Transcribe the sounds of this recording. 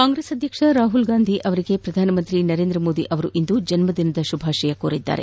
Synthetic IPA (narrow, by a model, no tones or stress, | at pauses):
kaːŋɡɾeːsɐd̪ʱjɐkʂɐɾaːɦulɡaːnd̪ʱiʔɐʋɐɾiɡe̞pɾɐd̪ʱaːnɐmɐnt̪ɾinɐɾeːnd̪ɾɐmo̞ːd̪iʔɐʋɐɾuʔind̪ud͡ʒɐnmɐd̪inɐd̪ɐʃubʱaːʃɐjɐkoːɾid̪ːa̰ːɾḛ